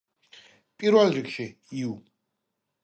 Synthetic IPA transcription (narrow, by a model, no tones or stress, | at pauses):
pʼiɾvɛlɾikʃi | iu